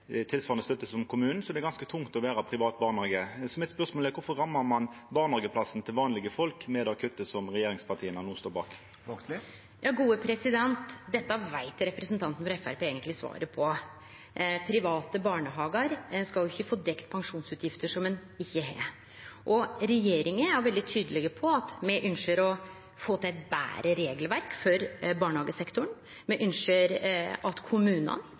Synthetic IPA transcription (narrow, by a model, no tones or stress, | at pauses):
t̪ʰɪlsʋɑːlnəst̪œt̪ːəsɔmkʰʊmʉːnn̩sɔd̪ɛɾɡɑnskət̪ʰʊŋt̪ɔʋæːɾɑpʰɾɪʋɑːt̪̚bɑːʁnɑɡəsɔmɪt̪spœʁsmoːlɛkʊɾfɔɾʁɑmːɑmɑnbɑːʁnɑɡəpʰlɑsn̩t̪ʰɪlʋɑːnlɪɡəfɔlkmɛd̪ɛɔkʰœt̪ːəsɔmʁɛjeːɾɪŋspʰɑt̪ʰiːənɑnuːst̪oːɾbɑ̰ːk | jʔɑːɡuːəpʰɾɛsɪd̪ɛnt̪d̪ɛt̪ːɑɑʋæɪt̪ɾɛpɾəsnt̪ʰɑnt̪n̩fɔɾɛfæ̰ɾpʰeːeːɡənt̪lɪsʋɑ̰ːɾəpʰɔ | pʰɾɪʋɑːt̪əbɑːɳəɦɑːɡəɾskɑljʊɪçːəfoːd̪ɛkt̪pʰɑŋʂuːnsʉːt̪ʰjɪft̪əʂɔmɛnɪçːəɦæ̰ː | ʔɔɾɛjeːɾɪŋənæʋɛld̪ɪt̪ʰyːd̪əlɪɡəpʰɔɑt̪mɛʔʉnʃəɾɔ | foːt̪ʰæɪt̪̚bæ̰ːɾəɾeːɡəlʋæɾkfɔɾbɑːɳəhɑːɡəsɛkt̪ʊɳ | mɛʔʏnʂəɾɑt̪kʰʊmʉːnə̰n